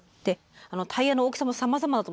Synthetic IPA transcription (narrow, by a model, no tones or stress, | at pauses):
t̪e | ano̞t̪ʰaianooːkɯ̟̥samosamazamad̪at̪o